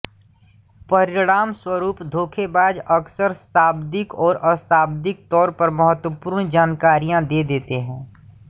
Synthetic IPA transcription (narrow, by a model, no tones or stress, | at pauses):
pəɾɪɽaːmswəɾuːpd̪ʱoːkʰebaːd͡ʒɐksəɾsaːbd̪ɪkɔːɾɐsaːbd̪ɪk̚t̪ɔːɾpɐɾmɐɦət̪wəpuːɾɳd͡ʒaːnkaːɾijãd̪eːd̪eːt̪eɦɛ̃ː